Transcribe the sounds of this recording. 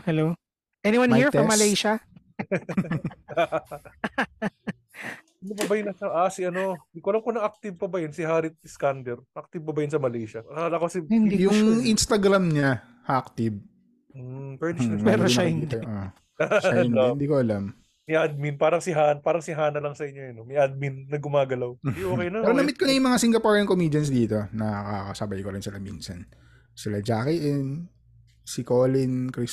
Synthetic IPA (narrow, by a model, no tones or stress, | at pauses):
hɛlow | ʔɛniwanhiɹfɔmːɐlɛjʃɐ | ɪnɐpɐbɐjɪnɐʃɐʔasiʔɐno̞d̪ikoɐlɐmkonɐak̚t̪ɪb̚pɐbɐjɐnsɪɦaːɾɪt̪̚ːɪskand̪ɛɾʔak̚t̪ɪb̚pɐbɐjɐnsɐmɐlɛjʃɐalɐkosihɪnd̪ijʊŋinst̪ɐɡɾamɲa | hɐak̚t̪ɪb̩̚ | pɛd̪pɛɾoɐiːt̪ːʔo | nnd̪iːkoʔɐlam | mɪʔad̪̚minpaːɾɐŋsɪɦaːnpaːɾɐŋsɪɦaːnɐlɐŋsɐʔɪɲːoɐnomɪʔad̪̚minːɐɡʊmaːɡɐlawd̪ʔokɛjnɐɛɾɐnɐmɪt̪konɐjʊŋmɐŋasɪŋɡɐpaɹɐŋkomiːd͡ʒɐnsd̪iːt̪o̞nɐkakɐsɐbajkoɾɪnsɪlaminsɐn | sɪlad͡ʒaːkɪʔɛn | sɪkolɪnkɾis